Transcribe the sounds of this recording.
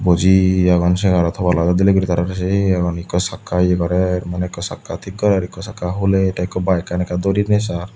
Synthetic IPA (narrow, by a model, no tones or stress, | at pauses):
bɔd͡ʒiaɡɔnsɛɡaɾɔt̪ʰɔbalad͡ʒad̪ileɡuɾit̪aɾaɾs̬eaɡɔnikɔsakːajeɡɔɾɛɾmanɛkːɔsa̰kːat̪ʰik̚ɡɔɾɛɾikːɔsakːaɦuleʈajkːɔbajkanɛkad̪ɔɾiɾnɛsaɾ